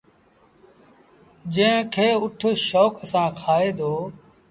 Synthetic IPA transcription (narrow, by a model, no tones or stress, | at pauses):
d͡ʒə̃ːkʰeːʊʈʰʃoːksãːkʰaːeːd̪oː